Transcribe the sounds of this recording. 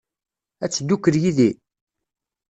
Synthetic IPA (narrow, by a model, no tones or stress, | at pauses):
æt͡sːd̪ːukːəɾjiði